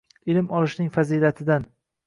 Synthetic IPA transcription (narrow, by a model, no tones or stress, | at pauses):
ɪlɪmɒlˠɪʃnɪŋfaziːlat̪ʰɪd̪an